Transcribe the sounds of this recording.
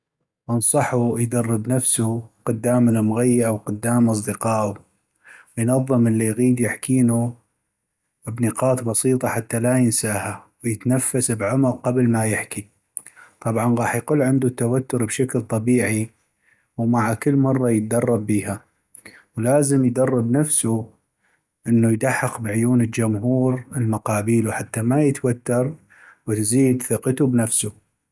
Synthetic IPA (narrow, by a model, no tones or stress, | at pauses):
ʔɑnsˤɑħujd̪ɑrːɪbnafsuqʊd̪ːaːmlamʊɣajːaʔawqʊd̪ːaːmʔɑs̬ˤd̪ɨqɑːʔu | wjnɑðˤːɨməlːijɣiːd̪jɪħkiːnu | bnəqɑːt̪bɑsiːt̪ˤɑħat̪ːalajɪnsaːhawjɪt̪nafːasbʕʊmʊɾqɑblmajɪħki | t̪ˤɑbʕɑnɣɑːħjqʊlːʕɪnd̪ut̪ːawat̪ːʊɾbʃaklt̪ˤɑbiːʕi | wmaʕakɪlːmɑrˤːɑjət̪̚d̪ɑrˤːɑbːiːha | wlaːzəmjd̪ɑrˤːɪbnafsu | ʔənːujd̪aħːɑqbʕʊjuːnəld͡ʒʊmɦuːɾɪlmaqɑːbiːluħat̪ːamajɪt̪wat̪ːɑɾˤ | wɪt̪ziːd̪θɪqt̪ubnafsu